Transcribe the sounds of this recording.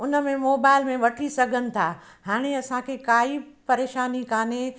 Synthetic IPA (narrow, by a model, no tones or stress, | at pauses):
ʊnə̆mẽmoːbaːɪlmẽʋɐʈʰisɐɡʱənɪ̆t̪ʰaː | haːɽ̃eɐsãkʰekaːipɐɾeːʃaːnikaːne